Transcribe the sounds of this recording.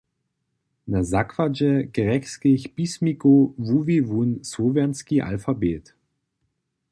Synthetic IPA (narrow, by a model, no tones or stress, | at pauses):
nazakʰv̥ad͡ʒɛɡ̥əʁɛkskɪçb̥ismikovuvivunsovɛɐnskiʔa̰lfabeːt